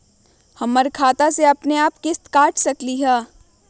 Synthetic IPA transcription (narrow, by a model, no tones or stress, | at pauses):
hɐmːɐɾkʰaːt̪aseɐpneaːpkɪst̪kaːʈʰsɐkliɦɛː